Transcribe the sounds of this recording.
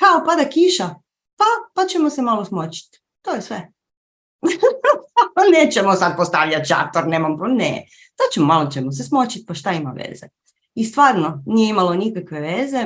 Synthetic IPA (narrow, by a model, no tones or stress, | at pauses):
kaopad̪akiʃa | papat͡ɕemose̞malosmot͡ɕi̥t̪ | t̪oːjesʋe | neːt͡ɕemosad̪̚post̪aʋʎat̪t͡ʃa̰t̪oɾneːmamponḛ | sat͡ɕemomalˠot͡ɕemos̬esmot͡ɕit̪̚paʃt̪aima̰ʋḛze | ist̪ʋaːɾnonijeimalˠo̞nikakʋe̞ʋeze̞